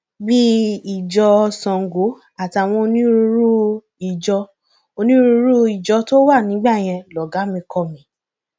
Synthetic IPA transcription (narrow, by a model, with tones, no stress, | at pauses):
bi˦i˨d͡ʒɔ˧sɔ̃˨ŋ̩˨ɡo˨˦ | a˨ti˧a˨w̃ɔ̃˧o˧nĩ˦ɾu˧˦ɾu˦ | i˨d͡ʒɔ˧ | o˧nĩ˦ɾu˧˦ɾu˦i˨d͡ʒɔ˧to˦wa˦˨nĩ˨˦ɡ͡ba˦˨j̃ɛ̃˧lɔ˨ɡa˨˦mĩ˧kɔ˦˧˨mĩ˧